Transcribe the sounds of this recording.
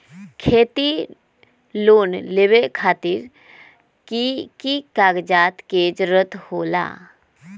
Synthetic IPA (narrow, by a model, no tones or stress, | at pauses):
kʰeːt̪i | loːnleːʋekʰaːt̪ɪɾ | kikaːɡd͡ʒaːt̪keːd͡ʒɾət̪hoːla̰ː